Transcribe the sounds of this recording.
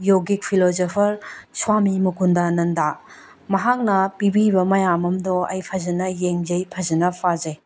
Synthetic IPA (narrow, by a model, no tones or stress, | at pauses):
joɡik̚pʰilozopʰɐɾswamimukʰundanɐnda | mɐɦak̚nɐpibibɐmɐjamɐmdɔɐ̰jpʰɐzɐnɐjeŋzɐjpʰɐzɐnɐpʰazej